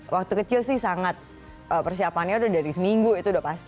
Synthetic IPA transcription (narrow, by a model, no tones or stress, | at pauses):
wak̚t̪ukət͡ʃɪlsɪhsaŋat̪̚ | əpərsiapanɲaudahdaɾisəmiŋɡuit̪uudapast̪